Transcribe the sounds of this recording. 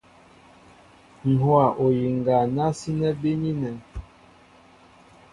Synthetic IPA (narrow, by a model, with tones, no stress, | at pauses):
n̩˨hwa˨ʔo˨ji˨ŋɡa˨na˦si˦nɛ˦be˦ɲi˦nɛ˨